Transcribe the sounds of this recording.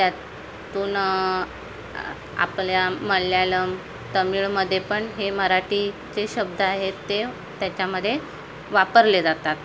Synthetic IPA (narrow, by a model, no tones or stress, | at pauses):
t̪ja | t̪uːn | a̰pɭjaməljaləm | t̪əmiːɭməd̪ʱːjepəɳɦeməɾaʈi | t͡seɕəb̚d̪ʱəaɦet̪ːe | t̪jat͡ɕjaməd̪ʱːje | ʋapəɾled͡zat̪at̪